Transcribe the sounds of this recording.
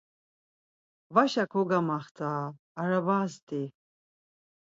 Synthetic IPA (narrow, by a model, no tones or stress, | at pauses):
vaʃakʰɔɡamaχt̪ʰaː | ɾavaːst̪i